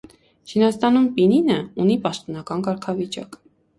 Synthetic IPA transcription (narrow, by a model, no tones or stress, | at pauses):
t͡ʃʰinɑst̪ɑnumpininəunipɑʃt̪ɔnɑkɑnkɑɾkʰɑvit͡ʃɑ̰k